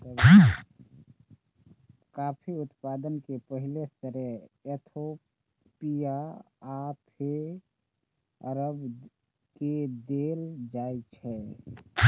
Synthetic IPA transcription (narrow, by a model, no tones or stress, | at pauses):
t̪əb | kapʰiut̪pad̪ənkepəɦilest̪əɾɛet̪ʰo | pija | at̪ʰe | əɾəb | ked̪eld͡ʒajt͡ʃʰɛ